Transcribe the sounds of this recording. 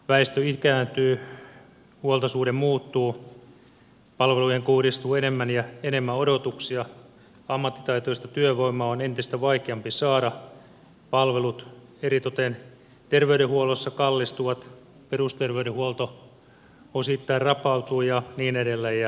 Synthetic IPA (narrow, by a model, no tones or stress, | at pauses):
ʋæist̪øikæːnt̪yː | huolt̪ɑsuːdemmuːt̪ːuː | pɑlʋeluiheŋkuhɾist̪uːenemːænjɑenemːæodot̪uksiɑ | ɑmːɑt̪ːi̥t̪ɑit̪oist̪ɑt̪yøʋoimːˑɑːonent̪ist̪æʋɑikeɑmpisɑːdɑ | pɑlʋelut̪eɾit̪ot̪en | t̪erʋeyɾehuolosːɑkɑlːist̪uʋɑt̪ | perust̪erʋeyɾehuolt̪o | osit̪ːɑirrɑpɑut̪uːjɑniːnedelːejjɑ